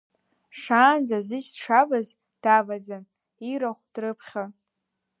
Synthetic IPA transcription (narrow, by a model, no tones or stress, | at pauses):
ʂaːnzazɨʃdʈ͡ʂʰavaz | d̥avad͡za | iɾaχʷd̥rɨpʰχʲa